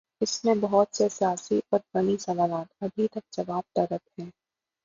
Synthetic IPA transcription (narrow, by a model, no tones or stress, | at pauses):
ɪsmẽbɐɦɔt̪sesijaːsiʔɔːɾbɐɽ̃isɐʋaːlaːt̪ɐbʱit̪ɐk̚d͡ʒɐʋaːb̚t̪ɐɾəphɛ̃ː